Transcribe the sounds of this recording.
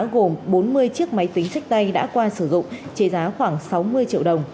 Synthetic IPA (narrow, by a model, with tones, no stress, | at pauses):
ɣo˨˩mɓo˨˦nmɨ˧əjt͡ɕɨ˦˥ək̚ma˨˦jt̪ï˨˦ŋ̟sa˦˥k̟̚t̪a˧jɗa̰ː˧˥kwaː˧sɨ˧˩zʊ̰˧˨ŋ͡mt͡ɕe˧˩zaː˨˦xwaː˧˩ŋsa˨˦wmɨ˧əjt͡ɕḭ˧əwɗə˨˩wŋ͡m